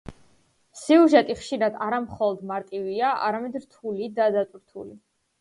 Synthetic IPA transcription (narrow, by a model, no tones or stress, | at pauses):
siuʒɛt̪ʼiχʃiɾad̪aɾamχɔlˠɔd̪maɾt̪ʼiviaʔa̰ɾamɛd̪ɾt̪ʰulid̪ad̪at̪ʼɾt̪ʰṵli